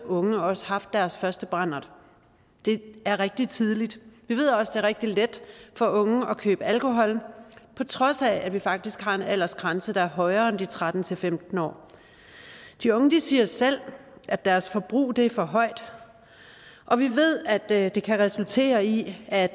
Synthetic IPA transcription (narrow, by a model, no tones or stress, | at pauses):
ɔ̽ŋəɒ̽sə̥hɑ̈fd̥ːæɐsfɶɐsd̥əb̥ʁɑn̰ɐðˠ | d̥e̝æɐʁɛɡ̥̚d̥it͡sʰiðˠlid̥ʋiʋe̝ð̞̰ˠɒ̽sd̥e̝æɐʁeɡ̥̚d̥iled̥fɒ̽ʔɔ̽ŋəɒ̽kʰø̰ːb̥əælkʰo̝ɦɒ̽l̰mpʰɒ̽t͡sʰʁɒ̽sæædʋifɑ̈ɡ̥̚d̥isɡ̥hɑ̈enæl̰ɐsɡ̥ʁɑ̈nsəd̥ɑ̈æɐɦɒ̽ɪɐːend̥it͡sʰʁad̥n̩t͡sʰe̝lfemd̥n̩ɒ̰ː | d̥iɔ̽ŋəd̥isiːɐsel̰ʔæd̥æɐsfɒ̽b̥ʁṵːd̥e̝fɒ̽ɦɒ̽ɪ̰d̥ | ʔɒ̽ʋiʋe̝ð̞̰ˠæd̥d̥e̝kʰæʁɛsult͡sʰe̝̰ːɐiæ̥